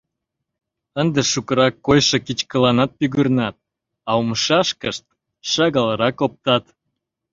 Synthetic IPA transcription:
ənd̪eʃukəɾɑkːojʃekit͡ɕkəlɑnɑt̪̚pyɣyrnɑt̪̚ | ɑumʃɑʃkəʃt̪̚ | ʃɑɣɑləɾɑkop̚t̪ɑt̪

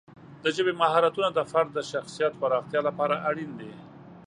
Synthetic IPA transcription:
d̪̥əʒəbemahɑɾat̪unad̪əfaɾd̪̚dːəʃaxsijat̪paɾɑxt̪jɑlapɑɾaʔaɽind̪e

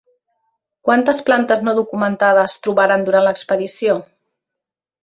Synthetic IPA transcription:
kwant̪əsplant̪əznoðukumənt̪að̞əst̪ɾuβaɾand̪uɾanləkspəðisio

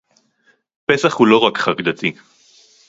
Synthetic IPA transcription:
pe̞saχhulo̞ʁakχaʁd̪at̪i

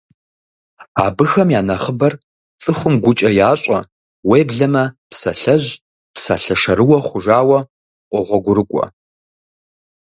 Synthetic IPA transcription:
a̰ːbɨxɐmjaːnɐχəbɐr | t͡sʼɨxʷʊmɡʷʊt͡ʃʼɐjaːɕʼɐ | weːbɮɐmɐpsɐ̰ɬɐʑ | psa̰ɬɐʂɐɾɨwɐχʷʊʒaːwɐ | qʷʼɔʁʷɔɡʷʊɾɨkʷʼɔ̰

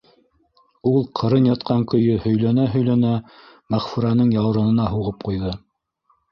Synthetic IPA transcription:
ulˠqʰɤ̆ɾɤnjɑt̪qɑŋkɵ̆jɵhɵ̆jlænæɦɵ̆jlænæ | mæχfuɾɑn̪ɤɴjɑwɾɤ̆nɤ̆nɑɦuʁɤp̚qujðɤ

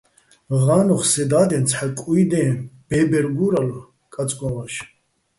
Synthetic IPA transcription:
ʁaːnɔχsɛd̪aːd̪ɛ̃nt͡sʰħakʼujd̪ɛ̃ːb̥ɛːbɛɾɡuɾalɔ | kʼat͡sʼkʼɔvaʃ

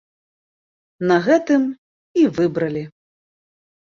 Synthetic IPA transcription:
nɐɣɛt̪ɨm | ivɨbɾɐlʲi

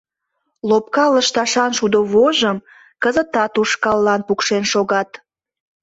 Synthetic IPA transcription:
lop̚kɑləʃt̪ɑʃɑnʃud̪oβoʒəm | kəzət̪ɑt̪uʃkɑlːɑnpukʃenʃoɣɑt̪

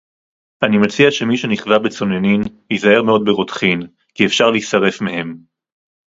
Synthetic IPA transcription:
ʔanimat͡siaʃemiʃeniχvabet͡so̞neninjizae̞ʁmeo̞d̪̚beʁotχin | kiefʃaʁleisaʁe̞fmehe̞m

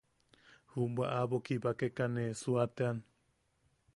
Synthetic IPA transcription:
humbwaʔaβokibakekanesuat̪ean

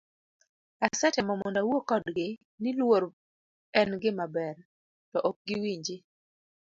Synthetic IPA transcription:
asat͡ʃamɔmɔndawokɔdɡɪ | nɪlwoɾ | ɛnɡɪmabɛr | tɔʔɔk̚ɡɪwiɲd͡ʒi

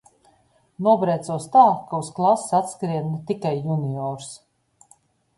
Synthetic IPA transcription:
nuɔbɾɛjt̪suɔst̪aːkausklˠassat̪skɾiɛt̪ikajːuniɔːɾs

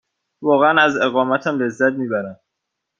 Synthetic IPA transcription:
vɒːɣeænæze̞ɣɒːmæt̪ʰæmle̞zːæt̪̚miːbæɾænd̪

